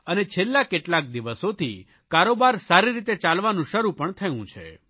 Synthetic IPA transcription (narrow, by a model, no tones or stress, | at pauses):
ənet͡ʃʰelːakeʈlak̚d̪iʋəsot̪ʰḭ | kaɾobaɾsaɾiɾit̪et͡ʃalʋanũʃəɾupəɳt̪ʰəjũt͡ʃʰḛ